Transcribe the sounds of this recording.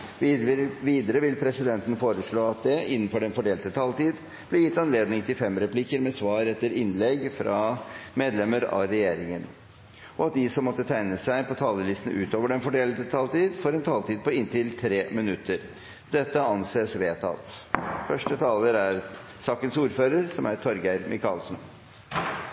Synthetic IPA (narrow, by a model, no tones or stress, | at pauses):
ʋiːd̪əɾəʋɪlpʰɾɛsɪd̪ɛnt̪ən̩foːɾəʂɭoːɑt̪̚d̪ɛɪnːənfɔɖɛnfɔɖeːlt̪ət̪ʰɑːlt̪iːd̪ | b̥lɛjɪt̪ːɑnleːd̪nɪŋt̪ʰɪlfɛmɾɛpʰlɪkːəɾmɛsʋɑːɾɛt̪ːəɾɪnlɛɡfɾɑmeːd̪lɛməɾɑ̰ɾɛjeːɾɪŋən | ɔɑt̪̚d̪ɪsɔmːɔt̪ːət̪ʰæɪnəsæɪpʰɔt̪ʰɑːləlɪst̪n̩ʉ̰ːt̪oːʋəɖɛnfɔɖeːlət̪ət̪ʰɑːlt̪iːd̪fɔɾɛnt̪ʰɑːlt̪iːd̪̚pɔɪnt̪ɪlt̪ʰɾeːmɪnʉt̪ːəɾ | d̪ɛt̪ːəɑnseːsʋeːt̪ʰɑ̰t̪fœʂʈət̪ʰɑːləɾæɾ | sɑːkənsuːɾføːɾəɾsɔmæɾt̪ʰɔɾɡæɪɾmʔɪkʰɑːlsn